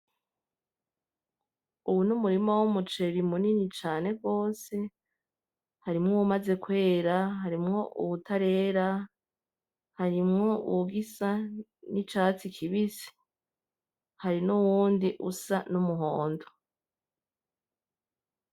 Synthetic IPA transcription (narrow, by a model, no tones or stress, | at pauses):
uwunumuɾimowumut͡ʃe̞ɾimuninit͡ʃaːne̞ɡo̞ːse̞ | haɾimŋowumaze̞kwe̞ːɾaɦaɾimŋo̞ʔṵβutaɾe̞ːɾa | haɾimŋo̞ṵuɡisanit͡ʃaːt͡sikʰiβisi̥ | haɾinuwuːndiʔusanumuɦoːndo